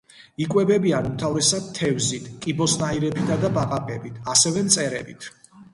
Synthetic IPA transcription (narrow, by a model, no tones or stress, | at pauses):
ikʼwɛbɛbianumt̪ʰavɾɛsad̪̚t̪ʰːɛvzit̪ʰkʼibɔsnaiɾɛbid̪ad̪abaqaqʼɛbit̪ʰasɛvɛmt̪sʼɛɾɛ̰bit̪ʰ